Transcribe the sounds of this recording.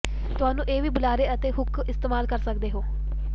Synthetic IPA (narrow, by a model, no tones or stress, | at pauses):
t̪ʊɦaːnũːʔeːʋiːbʊlaːɾeːət̪eːɦʊkʰɪst̪eːmaːlkəɾsəkd̪eːɦoː